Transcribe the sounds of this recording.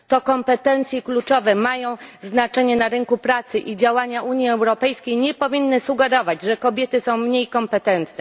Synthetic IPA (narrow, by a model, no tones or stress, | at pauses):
t̪ɔkɔmpɛt̪ɛnt̪sʲjɛklut͡ʂɔvɛmajɔ̃w̃znat͡ʂɛɲɛnaɾɘŋkupɾat̪sɘʔid͡ʑawaɲaʔuɲjiɛwɾɔpɛjskʲejɲɛpɔvʲinːɘsuɡɛɾɔvad͡ʑʐɛkɔbʲjɛt̪ɘsɔ̃w̃mɲejkɔmpɛt̪ɛnt̪nɛ